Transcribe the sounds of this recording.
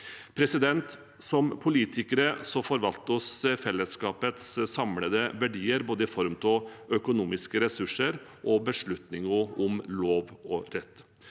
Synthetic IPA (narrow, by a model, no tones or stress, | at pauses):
pʰɾɛsɪd̪ɛnt̪ | sɔmpʰʊliːt̪ʰɪkəɾəsɔfɔɾʋɑlt̪əɔsfɛlːəskɑːpət̪ssɑmləd̪əʋæɖiːəɾboːd̪əɪfɔɾmt̪ʰɔœkʊnuːmɪskəɾɛsʉʂəɾʔɔbəʂɭʉt̪nɪŋɔʊmloːʋɔɾɛt̪ː